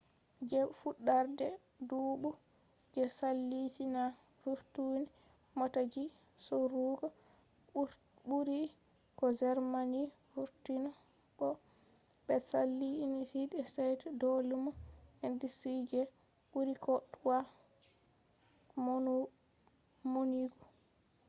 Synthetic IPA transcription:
d͡ʒɛfuɗːaɾdɛ | duːɓu | d͡ʒɛsalːitina | ɾuɾtuni | mɔtad͡ʒi | sɔɾuːɡɔ | buɾi | kɔd͡ʒɛɾmani | fuɾtinɔ | ɓɔ | ɓɛsalːinitidɛsajtdolumɔɛndisid͡ʒɛ | ɓuɾikɔɗwa | monu | moniɡɔ

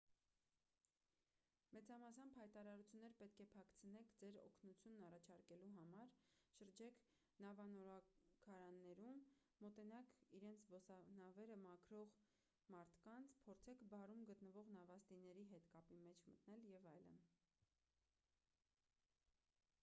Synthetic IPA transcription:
mɛt͡sɑmɑsɑmbhɑjt̪ɑɾɑɾut͡sʰjunːɛɾpɛt̪̚kʰɛpʰɑkʰt͡sʰənɛkʰd͡zɛɾɔ̰kʰnut͡sʰjunːɑrɑt͡ʃʰɑɾkɛluɦɑmɑɾʃəɾd͡ʒɛkʰ | nɑvɑnɔɾɑkʰɑɾɑnːɛɾumː | ɔt̪ɛnɑkʰiɾɛnt͡sʰbɔsɑnɑvɛɾəmɑkʰɾɔʁ | mɑɾt̪ʰkɑnt͡sʰpʰɔɾt͡sʰɛkʰbɑrumɡət̪nəvɔʁnɑvɑst̪inɛɾiɦɛt̪kɑpimɛt͡ʃʰmət̪nɛljɛvɑjlə̰n

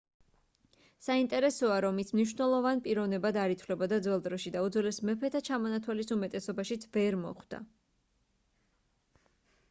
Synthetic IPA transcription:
saint̪ʼɛɾɛsɔaɾɔmismniʃ̬vnɛlˠɔvanpʼiɾɔvnɛbad̪aɾit̪ʰwlɛbad̪ad̪zwɛlˠd̪ɾɔʃid̪aud̪zwɛlɛsmɛpʰɛt̪ʰat͡ʃʰamɔnat̪ʰwalisumɛt̪ʼɛsɔbaʃit̪sʰvɛɾmɔ̰χd̪̥a̰

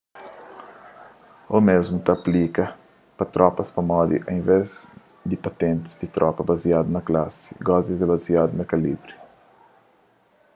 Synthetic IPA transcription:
omezmut̪ɐːplikɐ | pɐt̪ɾɔpɐspɐmɔd̪ḭʔɐĩvɛz | d̪ipɐt̪ẽnt̪i̥zd̪it̪ɾʔɔpɐbaziad̪unɐklasi̥ɡɔzizebaziad̪unɐkɐlḭbɾi

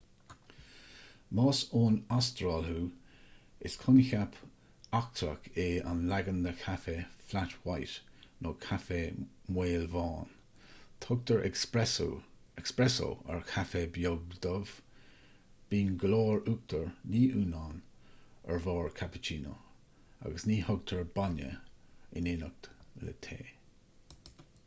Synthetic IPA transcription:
mɑːsoːnast̪ɾalhuː | ɪskʰʊnɪçapʰ | ak̚t̪ʰɾə̰kʰeːa̰nlaɡəndəkʰafeːflatwajtnʔoːkʰafemweːlvɑːn | t̪ʰok̚t̪əɹ̰ | ɛkspɹɛso̰ə̰ɹkʰafeːbjoɡd̪əv̥ | b̥iːnɡloːɹuk̚t̪ʰəɹniːʔuːnaːnəɹvɔːɹkʰapɪ̥t͡ʃʰiːno̰ | a̰ɡəsniːhʊɡ̚t̪ʰəɹbanə̰ɪ̰nɪnək̚tlə̰t̪ʰḛː

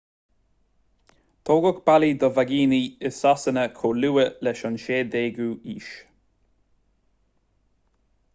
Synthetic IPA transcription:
t̪ʰoːɡɔkb̥alid̪əvaɡiːniɪsasənəkʰoːluːəlɛʃɔnʃeːd̪eːɡuːiːʃ

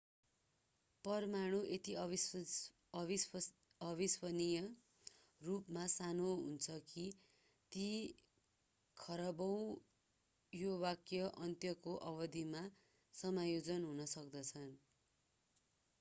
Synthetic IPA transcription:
pʌrmaɽ̃uʔet̪iʌ | ʌbiswʌnijʌ | rupmasanoɦunt͡sʰʌki | t̪i | kʰʌɾʌbʌw̃ | jowakjʌʔʌnt̪jʌkoʔʌbʌd̪ʱima | sʌmajod͡zʌnɦunʌsʌk̚d̪ʌt͡sʰʌn

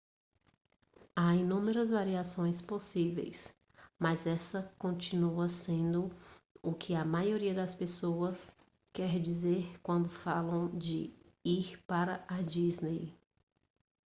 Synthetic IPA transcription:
ainũmeɾɐzvaɾiasõj̃sposivḛjs | mɐzɛsɐkõt͡ʃinuɐsẽnd̪ʊʊkʰɪɐmajoɾiɐd̪ɐspesoɐs | kɛɾd͡ʒizeɾkwɐ̃nd̪ʊfalɐ̃w̃d͡ʒɪ̰ | iɾpaɾɐad͡ʒiznej

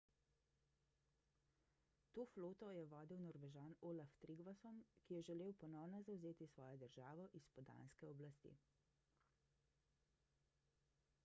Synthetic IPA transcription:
t̪oːfloːt̪ɔjɛʋɔːd̪iwnɔɾʋɛʒaːnoːlaft̪ɾiɡʋasɔmkijɛʒɛleːwpɔnɔwnɔzawzeːt̪isʋɔːjɔd̪əɾʒaːʋɔʔispɔd̪a̰ːnskɛɔblast̪ḭː

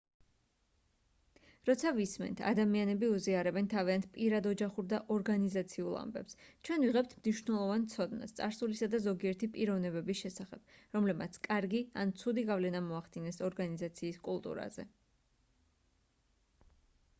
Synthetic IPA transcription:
ɾɔt̪sʰavismɛ̰nt̪ʰa̰d̪amianɛbiuziaɾɛbɛnt̪ʰaviant̪ʰpʼiɾad̪ɔd͡ʒaχuɾd̪aʔɔɾɡanizat̪sʰiulˠa̰mbɛ̰pst͡ʃʰwɛnviʁɛp̚t̪ʰmniʃvnɛlˠɔvant̪sʰɔd̪na̰st̪sʼaɾsulisad̪azɔɡiɛɾt̪ʰipʼiɾɔvnɛbɛbisʃɛsaχɛb̥ɾɔmlɛbmat̪sʰkʼaɾɡiant̪sʰud̪iɡavlɛnamɔaχd̪inɛsɔɾɡanizat̪sʰiːskʼulˠt̪ʼṵɾa̰zɛ̰

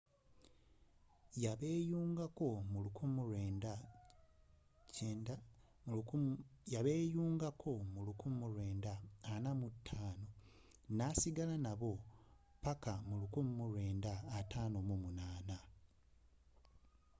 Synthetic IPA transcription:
jaeːjuːŋɡako̞mulukumuɾenda | e | jaβeːjuːŋɡakʰo̞mulukumuɾweːndaːnamutʰːaːno̞ | nasiɡalanaβo̞ | pakamulukummuɾwe̞ːndaːtaːno̞mumunaːna

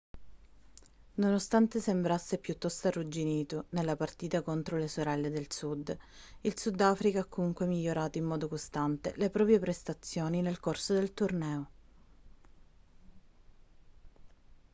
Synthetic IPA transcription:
nonost̪ant̪esembɾasːepjut̪ːɔst̪oarːud͡ʒiniːt̪onelːapart̪iːt̪akont̪ɾolesoɾɛlːed̪elsud̪ilsud̪ːaːfɾikaakːomuŋkwemiʎːoɾaːt̪oimːɔːd̪okost̪ant̪ḛlepɾɔːpɾjepɾest̪at̪sːjoːninelkorsod̪elt̪urnɛːo

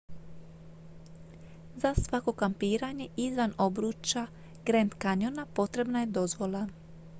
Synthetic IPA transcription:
zasʋako̞kampiːɾaɲe̞ʔizʋano̞bɾuːt͡ʃa | ɡ̥ɾend̪kaɲjonapo̞t̪ɾe̞bnaje̞d̪o̞zʋo̞lˠa

